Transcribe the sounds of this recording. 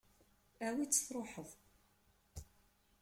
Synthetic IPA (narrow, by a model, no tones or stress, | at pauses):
æwit͡sːə̥θɾˤoħəðˤ